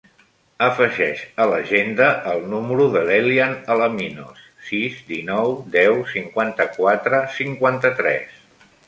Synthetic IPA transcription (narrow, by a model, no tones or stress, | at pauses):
əfəʒɛʃələʒend̪əʔːlˠnuməɾuðəlelianələminosːizd̪inɔwd̪ɛwsiŋkwant̪əkwat̪ɾəsiŋkwant̪ət̪ɾɛ̰s